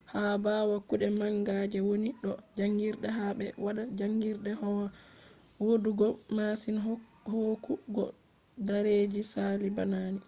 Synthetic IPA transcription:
habawakuɗɛmaŋɡad͡ʒɛwoniɗɔd͡ʒaŋɡiɾɗɛɦaɓɛwaɗad͡ʒaŋɡiɾɗɛhɔw | woduɡɔmasin | hokuɡɔ̰ | daɾeːd͡ʒisaliba̰naːni

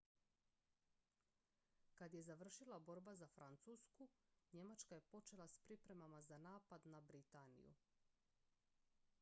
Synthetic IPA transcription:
kad̪je̞zaʋr̩ʃilabo̞ɾbazafɾant̪suːskuɲe̞mat͡ʃkaje̞po̞t͡ʃe̞lˠaspɾipɾe̞mamazanaːpad̪nabɾit̪anḭjṵ

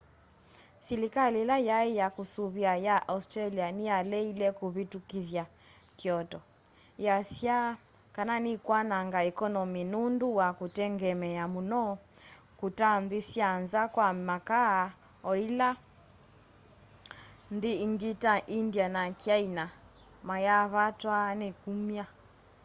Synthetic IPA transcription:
silikalilajaijakusuβiajaʔaustɾalianialɛilɛkuβitukivja | kiɔtɔ | jasja | kananikwanaŋɡaɛkɔnɔminunduwakutɛŋɡɛmɛjamunɔ | kutanðisianzakwamaka | ɔila | nðiiŋɡitaʔindianakiaina | majaβatwanɛkumia

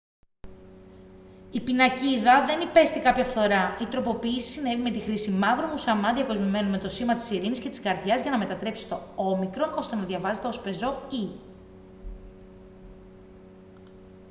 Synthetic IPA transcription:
ipinɐciðɐðe̞nipe̞st̪ikɐpçɐfθo̞ɾɐit̪ɾo̞po̞piːsi̥sine̞vime̞t̪ixɾisimɐvɾomusɐmɐðijɐko̞zmime̞nume̞t̪o̞simɐt̪i̥siɾiniscet̪i̥skɐɾðʝɐzʝɐnɐme̞t̪ɐt̪ɾe̞psist̪o̞o̞mikɾo̞no̞st̪e̞nɐðʝɐvɐze̞t̪e̞o̞spe̞zo̞i

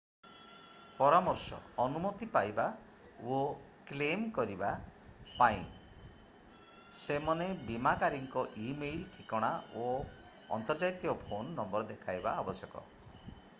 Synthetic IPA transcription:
pɔɾamɔɾsɔ̰ɔnumɔt̪ipajba | o | klemkɔɾibapaĩ | semɔnebimakaɾiŋkɔʔimelʈʰikɔɽ̃ao | ɔ̰nt̪ɔɾd͡ʒait̪iɔpʰonːɔmbɔɾd̪ekʰajba̰ːbɔsjɔkɔ̰

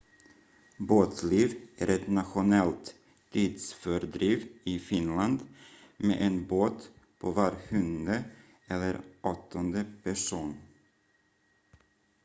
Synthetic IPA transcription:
boːt̪sliːvʔæɾʔɛt̪nat̪ɧʊnɛlt̪ | t̪ʰːiːd̪sfœɾd̪ɾiːvɪfɪnland̪ | mḛʔɛnboːt̪pʰovɑːɾhɵnə | ʔɛlːəɾʔɔt̪ʰːɔnd̪əpʰæʂuːn

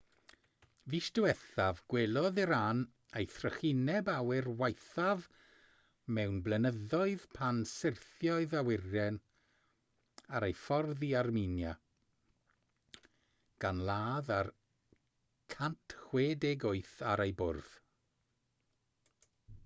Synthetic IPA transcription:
viʃd̥uwɛθavɡ̥welˠɔðiɾan | ejθrəχɪnɛbawɪrwajθav | mɛwnblɛnəðɔɨð̥pʰansɪrθjɔɨðawɪrjɛn | aɾejfɔrðiarminja | ɡ̥anlˠaːðar | kʰantʰχweːdeɡʊɨθaɾejbʊrð̥

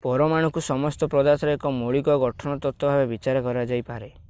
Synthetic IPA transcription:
pɔɾɔmaɽ̃ɔŋkusɔmɔst̪ɔpɾɔd̪at̪ɾɔekɔmoɭikɔɡɔʈʰɔɽ̃ɔt̪ɔt̪ːɔbʱabebit͡ʃaɾɔkɔɾad͡ʒajpaɾe

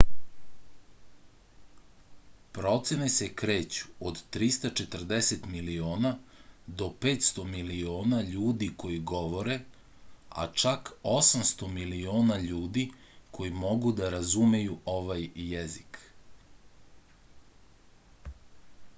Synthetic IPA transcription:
pɾo̞t̪sjene̞se̞kɾe̞ːt͡ɕu̥od̪t̪ɾist̪at͡ʃe̞t̪r̩d̪e̞set̪milioːnad̪o̞pe̞ːt̪st̪o̞milio̞ːnaʎuːd̪iko̞jiɡo̞ʋo̞ɾe̞ | a̰t͡ʃako̞samst̪o̞milioːnaʎuːd̪i | kʰo̞jimo̞ɡud̪aɾazume̞juo̞ʋajjezik

